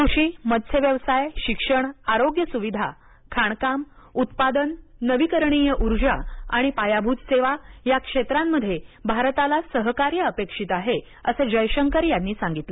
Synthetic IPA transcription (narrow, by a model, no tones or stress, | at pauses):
kɾuɕiːməd̪sʰeʋjəʋsajɕikʂəɳaɾoɡjəsuʋid̪ʱa | kʰaɳ̃kam | ut̪pad̪ənːəʋikəɾɳijəʔuɾd͡ʑaa̰ɽ̃ipajabʱut̪seʋajakʂet̪ɾamːəd̪ʱjebʱaɾt̪alasəɦkaɾjəəpekʂit̪aɦe | əsed͡ʑəjɕəŋkəɾjanːiːsãŋɡit̪lə